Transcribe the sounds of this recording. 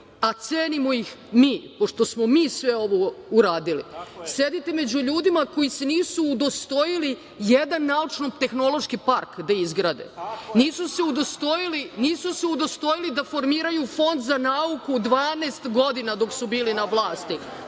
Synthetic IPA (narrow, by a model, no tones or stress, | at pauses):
at̪seːnimo̞ixmiːpo̞ʂt̪o̞smo̞miːsʋe̞o̞ʋouɾaːd̪ilḭse̞d̪it̪e̞me̞d͡ʑuʎuːd̪imako̞jiseniːsuːd̪o̞st̪o̞jili | jed̪anːaut͡ʂnot̪e̞xno̞lˠoʃkipaɾkd̪aizɡɾaːd̪ḛniːsuseud̪ost̪oiliniːsuseud̪o̞st̪o̞jilid̪afo̞ɾmiːɾajufo̞nd̪zanaukud̪ʋaːneːst̪ɡo̞d̪inad̪o̞ksubiːlinaʋlˠaːst̪i